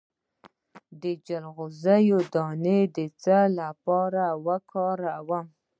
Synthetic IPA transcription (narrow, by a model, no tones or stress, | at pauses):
d̪əd͡ʒalɣʊzajod̪ɑned̪ət͡salapɑɾawakʰɑɾawam